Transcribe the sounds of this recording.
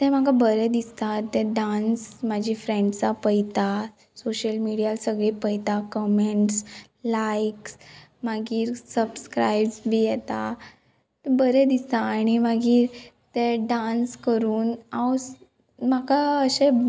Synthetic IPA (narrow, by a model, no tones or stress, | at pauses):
t̪ɛ̃m̤akabəɾɛd̪ist̪at̪ɛ̃ɖansmad͡ʑʱifɾẽɳɖt͡sapəjt̪a | soɕəlmiɽijalsəɡɭipəjt̪akɔmeɳʈs | lajksmaɡiːɾsəbskɾajbsbʱijɛt̪a | t̪ɛbəɾɛd̪ist̪aːɽ̃imaɡiːɾ | t̪eɖanskəɾuːnaws | makaəɕe